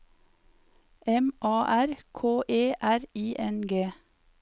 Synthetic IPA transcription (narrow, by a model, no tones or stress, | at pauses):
ɛmʔɑːʔæɾkʰoːʔeːʔæɾiːʔɛnɡeː